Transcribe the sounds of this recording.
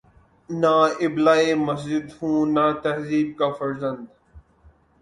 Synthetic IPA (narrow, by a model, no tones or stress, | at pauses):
naːɪblaːemɐs̬d͡ʒɪd̪hũːnaːt̪ɐɦziːb̚kaːfɐɾzɐ̃nd̪